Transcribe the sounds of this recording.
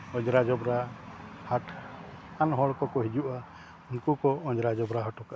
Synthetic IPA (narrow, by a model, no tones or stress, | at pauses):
ɔ̃ɲd͡ʒɾad͡ʒɔbɾahaʈ | anɦɔɭkɔkɔɦid͡ʒuʔa | unkukɔɔɲd͡ʒɾad͡ʒɔbɾaɦɔʈɔka